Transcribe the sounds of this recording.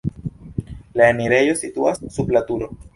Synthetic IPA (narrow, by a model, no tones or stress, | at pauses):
laemiɾe̞jo̞situasːublatuɾo̞